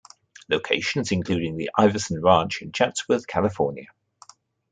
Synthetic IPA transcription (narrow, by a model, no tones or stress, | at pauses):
ləʊkʰeɪʃə̃nzɪ̃nkʰl̥ʉːɾɪ̃ŋðiʔa̰ɪvəsə̃nɹɑ̃ˑnt͡ʃɪ̃nt͡ʃʰatswəð̥kʰalɪfɔːnjə